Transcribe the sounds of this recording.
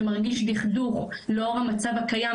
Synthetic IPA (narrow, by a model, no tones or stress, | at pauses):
maʁɡiʃdiχd̪uʁ | leoʁhamat͡savakaja